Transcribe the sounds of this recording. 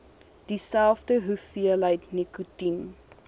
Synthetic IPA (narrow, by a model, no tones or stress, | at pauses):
d̥isælˠfdəɦufiələjtnikutin